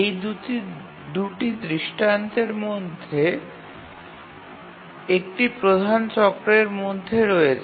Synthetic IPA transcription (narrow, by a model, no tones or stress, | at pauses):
ejd̪u | d̪uʈid̪ɾiʃʈant̪eɾmod̪ʱːe | ekʈipɾod̪ʱant͡ɕɔkɾeɾmod̪ʱːeɾɔet͡ɕʰ